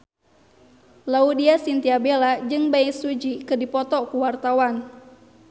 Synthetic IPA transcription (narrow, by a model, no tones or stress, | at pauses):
laudiasint̪iabelad͡ʒɨŋbaisud͡ʒikɨdipɔt̪ɔkuwart̪awan